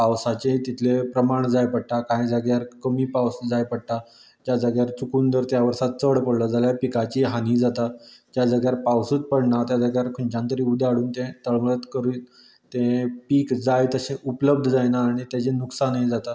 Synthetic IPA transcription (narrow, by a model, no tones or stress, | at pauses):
pawsat͡ɕet̪it̪ʰlepɾəmaɳd͡zajpəɽ̚ʈakaĩd͡zəɡjaɾkəmiːpawsd͡zajpəɽʈa | t̪jad͡zəɡjaɾt͡sukuːnd̪əɾt̪jaʋəɾsat̪̚t͡səɽpəɽləd͡zaljapikat͡ɕiɦanid͡zat̪ad͡ʑ̪jad͡zəɡjaɾpawsuːt͡s̪̚pəɽɳat̪jad͡zəɡjaɾkʰuɳt͡ɕãnt̪əɾiud̪ʱaɽuːnt̪ẽt̪əɭʋɭət̪kəɾu | t̪ẽpiːkd͡zajt̪əɕẽʔupləb̚d̪ʱəd͡zajnaːɽ̃it̪jat͡ɕẽnuksanid͡zat̪a